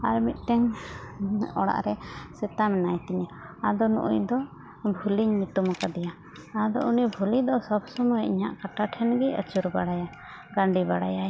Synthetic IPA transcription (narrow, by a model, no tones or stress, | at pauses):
aɾmit̪̚ˀʈɛŋ | ɔɽa̰ʔɾɛsɛt̪amɛnajt̪iɲaad̪ɔnṵʔṵjd̪ɔ | bʱuliɲmit̪umakad̪ɛja | ad̪ɔ̰ʔunibʱulid̪ɔsɔbsɔmɔɛiɲa̰ʔkaʈaʈʰɛnɡiə̰t͡ʃuɾbaɽaja | ɡaɳɖibaɽa̰jaj